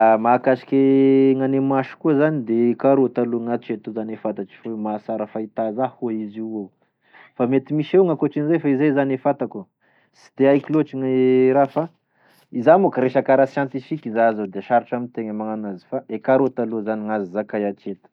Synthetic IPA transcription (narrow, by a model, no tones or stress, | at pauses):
amakaʃi̥kʲeŋanemaʃu̥kuəzanid̪eekaɾut̪aluŋat͡ʃet̪uzanefat̪at͡ʃi̥fowemasaɾafait̪azahuaiziwew | famet̪imiʃeŋakoʈ͡ʂinizajfaizajzanefat̪aku | si̥t̪eajkiloʈ͡ʂiŋɾafa | izamukəɾeʃakaɾasjant̪ifikʲizazad̪eʃaɾiʈ͡ʂamint̪eŋəmaŋanazi̥faʔekaɾot̪aluzaniŋazizakajat͡ʃet̪ə̥